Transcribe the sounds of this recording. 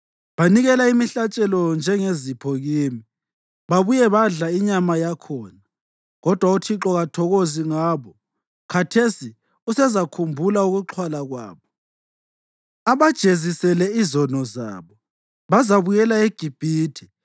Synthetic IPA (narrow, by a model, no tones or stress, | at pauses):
βaniɣɛlaimiɬat͡ʃʼɛlɔnd͡ʒʱɛŋezipʰɔɣiːmi | βaβujɛβaɮaiɲamajakʰɔːna | ɣɔd̥ʱwautʰiǁɔɣatʰɔɣoziŋaːβɔ | kʰatʰesi | usɛzakʰumbʱulauɣuǁʰwalaɣwa̰ːβɔ | aβad̥ʒ̥ʱezisɛlɛizɔnɔza̰ːβɔ | βazaβujɛlaeɡ̥ʱib̥ʱiːtʰi̥